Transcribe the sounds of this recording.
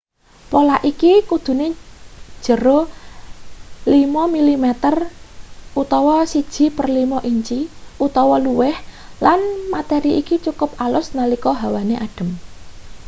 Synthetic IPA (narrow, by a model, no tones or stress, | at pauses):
polaʔikikud̪̥ṳne̥ | ʒ̥ə̤ɾo | limɔmilimɛt̪ər | ut̪ɔwɔsid̥ʒ̥i̤pərlimɔʔiɲt͡ʃiut̪ɔwɔluwɛh | lanmat̪ɛɾiʔikit͡ʃukʊp̚alʊsnalikɔɦawaneʔaɖ̥ə̤m